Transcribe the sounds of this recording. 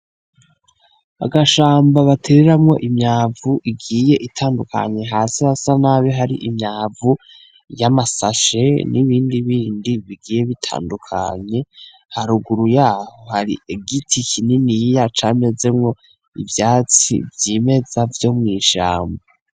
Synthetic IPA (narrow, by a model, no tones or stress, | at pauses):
a̰ɡaʃaːmbaβatʰeɾeɾamŋo̞̰ʔimɲaːvuʔiɡiːje̞ʔitʰaːndukʰa̰ɲe̞ɦaːsihasanaβeɦaɾḭʔimɲaːvu | jamasaʃe̞niβiːndiβiːndiβiɡiːje̞βitʰa̰ːndukʰa̰ɲe̞ | haɾuɡuɾujaːho̞haɾḭʔeɡitʰikininijat͡ʃaːme̞ze̞mŋo̞ | ḭvjaːt͡sḭvjime̞zavjo̞mŋiːʃa̰ːmba